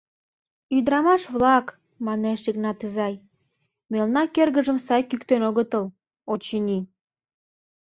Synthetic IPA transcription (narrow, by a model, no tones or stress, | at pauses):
yd̪ɾɑmɑʃβlɑk | mɑneʃiɣnɑt̪izɑj | melnɑkerɣəʒəmsɑjkykt̪enoɣət̪əl | ot͡ɕinʲi